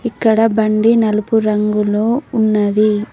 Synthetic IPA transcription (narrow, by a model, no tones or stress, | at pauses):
ikːɐɽɐbɐɳɖinɐlupuɾɐŋɡulo̞ːunːɐd̪i